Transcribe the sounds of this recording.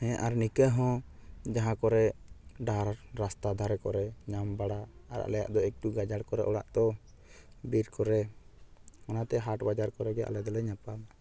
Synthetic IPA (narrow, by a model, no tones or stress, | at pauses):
hɛ̃ʔaɾnikəɦɔ̃d͡ʒaɦãkɔɾɛɖaɾɾast̪ad̪ʱaɾɛkɔɾɛɲambaɽaaɾa̰ʔlɛja̰ʔd̪ɔɛk̚ʈuɡad͡ʒaɽkɔɾɛ̰ʔɔɽa̰ʔd̪ɔ | biɾkɔɾɛ | anat̪ɛɦaʈbad͡ʒaɾkɔɾɛɡɛʔa̰lɛd̪ɔlɛɲapam